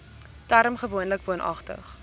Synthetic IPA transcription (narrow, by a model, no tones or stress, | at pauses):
tæɾmχəvuənləkvuənʔɐ̰χtə̰χ